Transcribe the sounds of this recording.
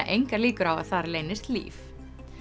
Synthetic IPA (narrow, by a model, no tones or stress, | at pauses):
aʔejŋkaɾliːkʏɾawa̰ðθaɾlejnɪst̪lḭːf